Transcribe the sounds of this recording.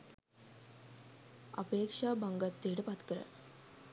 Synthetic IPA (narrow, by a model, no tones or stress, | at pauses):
ɐ̰peːkʂaːbɐŋɡɐt̪ːijʈɨpɐt̪kɐɾɐ̰